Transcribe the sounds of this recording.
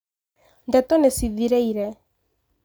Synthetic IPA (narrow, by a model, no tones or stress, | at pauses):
nd̪ɛt̪onesiðiɾɛiɾɛ